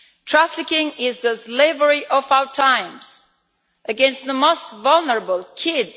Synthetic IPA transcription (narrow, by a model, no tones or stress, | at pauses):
tʰɹ̥æfɨkɪ̃ŋɪzðɨsleɪvə˞iʔʌvaʊə˞tʰãɪ̃mz̥ | ʔɨɡɛ̃nst̪̚ðəmoʊstvʌlˠnə˞əbəl̩ˠkʰɪdz